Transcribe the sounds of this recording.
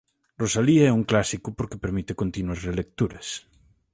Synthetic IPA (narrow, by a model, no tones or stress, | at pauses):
rosaliɛuŋklasikʊpoɾkepeɾmit̪ekont̪inwɐsrelek̚t̪uɾɐs